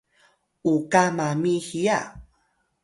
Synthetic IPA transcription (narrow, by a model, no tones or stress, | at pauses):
ukamamihija